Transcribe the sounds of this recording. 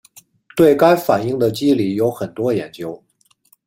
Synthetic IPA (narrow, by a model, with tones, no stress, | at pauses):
t̪we˥˩ɪka˥ɪfa˨˩ni˥˩ŋd̪ə˩t͡ɕi˥li˨˩jo˧˥ʊxə˨˩nt̪wɔ˥jɛ˨˥nt͡ɕjo˥ʊ